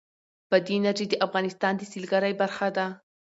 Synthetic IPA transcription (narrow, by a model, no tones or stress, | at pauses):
pəd̪enad͡ʒed̪əʔafɣɑnɪst̪ɑnd̪əsilɡaɾajbaɾxad̪a